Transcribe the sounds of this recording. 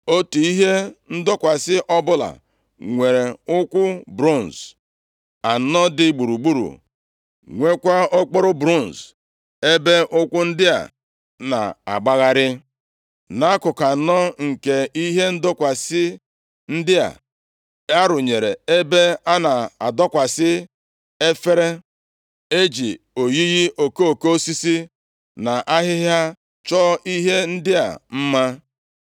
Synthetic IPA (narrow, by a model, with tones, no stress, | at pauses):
o˦tu˨i˦ɦe˦n̩˦dɔ˦kʷa˨sɪ˦ʔɔ˦bʊ˦la̰˨ | ŋʷe˨ɾe˨ʊ˦kʷʊ˦bɾo˦˨n̩˨s | a˨˦nɔ˦dɪ˦ɡ͡bu˨ɾu˨ɡ͡bu˦ɾṵ˨ | ŋʷe˦kʷa˦o˦k͡pɔ˦ɾʊ˦bɾu˦˨n̩˨s | e˦be˦ʔʊ˦kʷʊ˦n̩˦dɪ˦a̰˨ | na̰˨a̰˨ɡ͡ba˦ɣa˦ɾɪ˦ | na˨˦a˦kʊ˨ka˨˦nɔ˦ŋ̩˨ke˦i˦ɦe˦n̩˦dʊ˦kʷa˨sɪ˦ | n̩˦dɪ˦a̰˨ | a˦ɾʊ˨ɲe˨ɾe˨e˦be˦a˦na˨a˨dɔ˦kʷa˨sɪ˦ | e˦fe˦ɾe˦ | e˦d͡ʒi˨ | o˨ɣi˦ɣi˦ʔo˨ke˦o˨ke˦o˦si˦si˦ | na˨ʔa˦ɦɪ˦ɦja˦ | t͡ʃɔ˦i˦ɦe˦n̩˦dɪ˦a̰˨m̩˦ma˦